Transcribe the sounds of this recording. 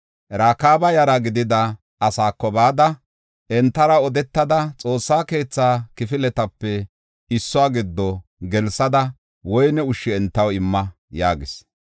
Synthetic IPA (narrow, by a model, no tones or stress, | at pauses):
ɾaːkaːbɐjɐɾɐɡɪd̪ɪd̪ɐ | ɐsaːkːɔbaːd̪ɐ | ʔɛnt̪ːɐɾɐɔd̪ɛt̪ːɐd̪ɐt͡sʼo̞ːsːaːke̞ːt͡sːaːkɪfɪlɛt̪ɐpːɛ | ɪsːʊaːɡɪd̪ːɔɡɛlsɐd̪ɐ | wɔjnɛʊʃːɪɛnt̪ːɐwɪmːɐ | ja̰ːɡɪs